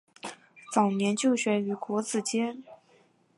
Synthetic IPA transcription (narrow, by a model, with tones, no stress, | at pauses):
t͡sɑ˨˩ʊnjɛ˧˥nt͡ɕjo˥˩ʊɕɥɛ˧˥y˨˩kwɔ˧˥t͡sɹ̩˨˩t͡ɕjɛ˥n